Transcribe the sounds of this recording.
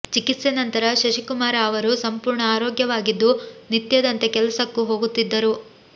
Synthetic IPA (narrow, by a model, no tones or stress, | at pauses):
t͡ʃikit̪senɐnt̪ɐɾɐʃɐʃikumaːɾaɐʋɐɾusɐmpuːɾɳɐaːɾoːɡjɐʋaːɡid̪ːunit̪jɐd̪ɐnt̪e̞kɛlɐsɐkːuɦo̞ːɡut̪ːid̪ːɐɾu